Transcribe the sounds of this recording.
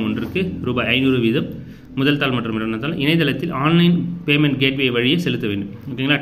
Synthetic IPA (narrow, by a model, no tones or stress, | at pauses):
mɔndɪɾɯkːɯɾuːbaːɐɪnuɾɯʋɪðɐmː | ʊðɐlt̪aːlmɐʈrɯmɪlɐnɐt̪ːaːlɐʔɪnɐɪt̪ːɐlɐt̪ːɪlʔaːnlɐɪnpeːmɛɳʈ̚ɡeːʈʋeːʋɐɻɪjesɛlɯt̪ːɐʋeːɳɖɯmoːkːɪŋɡɐlːaː